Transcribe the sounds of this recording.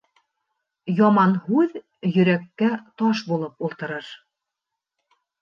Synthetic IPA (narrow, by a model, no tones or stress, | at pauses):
jɑmɑnhʉð | jɵ̆ɾækːæt̪ɒʃbulˠɤpulˠt̪ɤ̆ɾɤɾ